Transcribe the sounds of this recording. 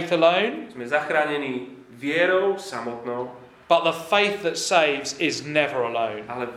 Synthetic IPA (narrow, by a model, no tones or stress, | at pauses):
θələ̃ʊ̃nz̥mɛzaxɾaɲɛni | vjɛɾɔʊsamɔt̪nɔʊ | b̥ʌʔðəfeɪθðətseɪvzɪznɛvəɹələ̃ʊ̃nalɛ